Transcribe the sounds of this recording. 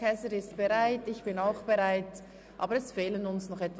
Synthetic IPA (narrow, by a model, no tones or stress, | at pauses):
ɛsəɾɪst̚b̥eʁaɪtɪçb̥ɪnaʊxb̥eʁaɪt | ʔa̰ːbəɾɛsfeːlənʊnsnɔχɛtv